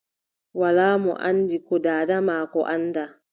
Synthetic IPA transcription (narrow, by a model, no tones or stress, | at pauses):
walaːmɔ̰ʔandikɔdaːdamaːkɔʔanda